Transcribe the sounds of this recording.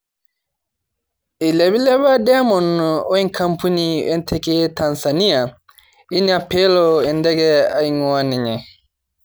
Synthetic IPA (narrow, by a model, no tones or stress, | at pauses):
ʔilebilɛβadɛmɔnːɔɔinkʰampuniɛntʰɛkɛtansanija | inapɛlɔɛndɛɡɛaiŋwaniɲɛ